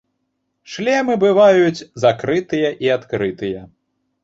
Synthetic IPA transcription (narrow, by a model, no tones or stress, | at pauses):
ʂlʲɛmɨbɨvajut͡sʲzakɾɨt̪ɨjɐʔiat̪kɾɨt̪ɨjɐ